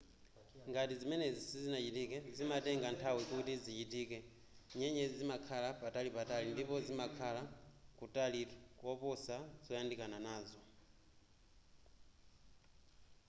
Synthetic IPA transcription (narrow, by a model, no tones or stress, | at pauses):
ŋɡatizimɛnɛzisizinat͡ʃitikɛzimatɛŋɡantʰawikutizit͡ʃitiːkɛ | ɲɛɲɛzizimakʰalapatalipatalindipɔzimakʰalakutalikwɔpɔsazɔjandikananaːzɔ